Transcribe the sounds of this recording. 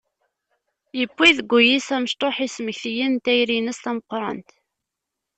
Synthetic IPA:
jəpʷːiðɡʷːujisæməʃt̪ˤoħisməçθjint̪æjɾinæsθæməqːɾˤɑ̰nt̪

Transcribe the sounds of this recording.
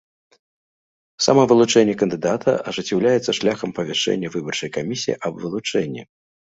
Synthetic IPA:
sa̰mɐvɨlˠut͡ʂɛnʲːɛkɐnd̪ɨd̪at̪ʰɐ̰ʔɐʐɨt͡sʲːɛwlʲajɛt̪sːɐʂlʲaxɐmpɐvʲɛʂɛ̰nʲːɐvɨbɐrt͡ʂɐjkamʲisʲijḭʔɐbvɨlˠut͡ʂɛnʲːḭ

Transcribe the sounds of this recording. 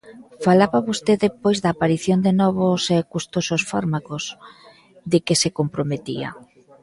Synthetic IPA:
falaβaβost̪eðepojzðaːpaɾiθjond̪enɔβʊsɛkust̪ososfaɾmakos | ðɪkɪsekompɾomet̪ia̰

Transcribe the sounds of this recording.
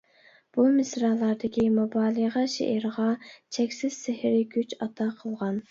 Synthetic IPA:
b̥umɪsɾɑlˠːɑɾd̪ɪkʲimubɑːlˠəʁɑʃḛʔɪɾʁɑt͡ʃʰɛkʲsɪz̥sɪhɪɾɪkʲyt͡ʃɑt̪ʰɑqʰəlˠʁɑn

